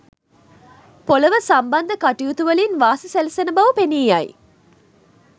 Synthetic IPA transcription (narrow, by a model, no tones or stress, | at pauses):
poləʋəsambɐnd̪əkaʈijut̪uʋəlinʋaːsiselisenəbɐʋupeniːjɐj̰